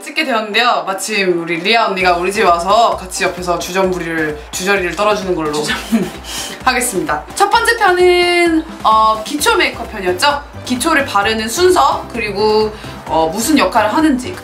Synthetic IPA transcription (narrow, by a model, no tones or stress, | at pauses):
t͡ɕ͈ik͈ʰːe̞dwe̞ʌnːɯnde̞jomat͡ɕʰimuɾiʎiaonːiɡauɭd͡ʑiwasʰʌkat͡ɕʰiʌpʰe̞sʰʌt͡ɕud͡ʑʌmbuɾiɾɯɭ | t͡ɕud͡ʑʌɾiɾɯɭt͈ʌɾʌd͡ʑinɯnɡʌɭːoom | haɡe̞s͈ɯmɲidat͡ɕʰʌp͈ʌnt͡ɕ͈ʰepʰjʌnɯn | ʌkit͡ɕʰome̞ikʰʌpʰjʌɲʌnt͡ɕ͈ʌ | kit͡ɕʰoɾɯɭpaɾɯnɯnsʰunsʰʌkɯɾiɡo | ʌmusʰɯnjʌkʰaɾɯɭɦanɯnd͡ʑi